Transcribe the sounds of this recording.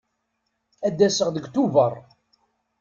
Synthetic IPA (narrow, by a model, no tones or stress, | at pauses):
æd̪ːæsəʁðəɡt̪uvərˤ